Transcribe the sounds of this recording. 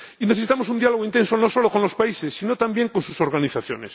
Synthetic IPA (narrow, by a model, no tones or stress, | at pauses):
ineθesit̪amo̞sund̪jalooint̪e̞nso̞no̞soloko̞nlo̞spaise̞sːino̞t̪ambje̞ŋkonsuso̞ɾɣaniθaθjo̰nes